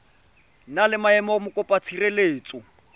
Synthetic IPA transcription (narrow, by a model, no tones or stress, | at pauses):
nalɪmaɛmɔmʊkʼɔpʼat͡sʰireleːt͡sʼʊ